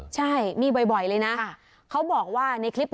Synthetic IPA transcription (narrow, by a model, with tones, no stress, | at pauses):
t͡ɕʰa˥˩jmiː˧bɔ˨˩jbɔ˨˩jlɤː˧jna˦˥ʔ | kʰa˦˥wbɔː˨˩k̚waː˥˩na˧jkʰli˦˥p̚